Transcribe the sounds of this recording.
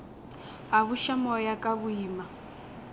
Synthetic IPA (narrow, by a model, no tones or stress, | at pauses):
ɦaβuʃamɔjakʼaβuiːma